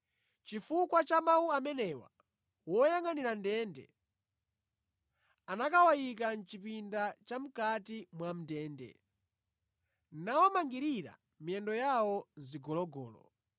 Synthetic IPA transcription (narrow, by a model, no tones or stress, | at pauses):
t͡ʃifukwat͡ʃamawuamɛnɛwa̰ | wɔjaŋaniɾandɛːndɛ̰ | anakawajik̬an̩t͡ʃipindat͡ʃam̩katimwam̩dɛːndɛ̰ | nawɔmaŋɡiɾiɾa̰ | miɛndɔjawɔziɡɔlɔɡɔ̰ːlɔ̰